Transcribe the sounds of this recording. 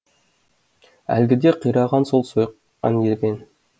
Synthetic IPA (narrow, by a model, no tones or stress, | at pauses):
æ̰lɡʲɪd̪eqʰijɾɑʁɑnsolˠsoj | ɑ̰njeɡʲen